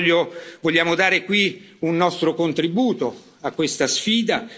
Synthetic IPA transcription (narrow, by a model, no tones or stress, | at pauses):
ovoʎːaːmod̪aːɾekwi | unːɔst̪ɾokont̪ɾibuːt̪o | akːwest̪asfiːd̪a